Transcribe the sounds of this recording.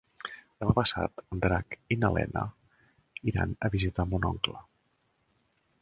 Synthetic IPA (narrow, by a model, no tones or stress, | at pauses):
d̪əmapəsa̰t̪d̪ɾakinəlɛ̰nə | iɾa̰nəβizit̪amunɔ̰ŋklə